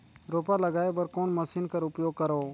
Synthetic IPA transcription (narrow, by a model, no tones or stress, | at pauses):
ɾoːpaːləɡaːebəɾkoːnməsiːnkəɾʊpjoːɡ̚kəɾoː